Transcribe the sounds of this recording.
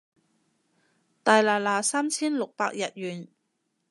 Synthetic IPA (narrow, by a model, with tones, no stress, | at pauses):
t̪aː˨jlaː˨˩laː˨˩saː˥mt͡sʰiː˥nlʊ˨k̚paː˧k̚jɐ˨t̚jyː˨˩n